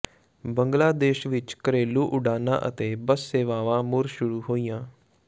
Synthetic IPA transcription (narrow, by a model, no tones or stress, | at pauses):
bəŋɡlaːd̪eːʃʋɪt͡ʃkəɾeːluːʔʊɖaːnã̰ːʔə̰t̪eːbəsːeːʋaːʋãːmʊɾʃʊɽuːɦoːiːãː